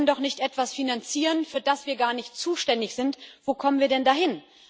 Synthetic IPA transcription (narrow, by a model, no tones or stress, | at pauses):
əndɔχnɪçtʔɛtv̥asfinant͡siːʁənfyːɐdasv̥iːɐɡaːɐnɪçtt͡suːʃtɛndɪçz̥ɪntv̥oːkʰɔmənviːɐdɛndaːɦɪn